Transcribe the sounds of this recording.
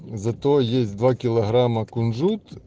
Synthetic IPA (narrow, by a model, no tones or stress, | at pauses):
zɐt̪ɔɔjesʲd̪ʋɑkʲilˠɐɦɾɑmɐkʊnʐut̪